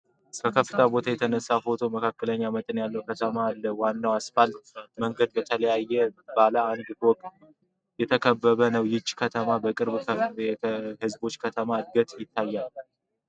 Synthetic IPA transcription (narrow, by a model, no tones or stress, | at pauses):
kəkʰəfːɨt̪ʰabo̞t̪ʰajɛt̪ʰənəsːafo̞t̪ʰo̞məkʰakːələɲːamət̪ʼɨnjalːəwkʰət̪ʰəmalːəwanːawasfalt̪məŋɡəd̪̚bət̪ʰələjajːɛbalaːnɡʼt̪wɔkʼt̪ | jɛt̪ʰəkʰəbːəβənəwjɪt͡ʃʼːkʰət̪ʰəmabəkʼɨɾβə | hɨzbo̞t͡ʃːkʰət̪ʰəmad̪̚ɡət̪ʼjɪt̪ʰːajːalː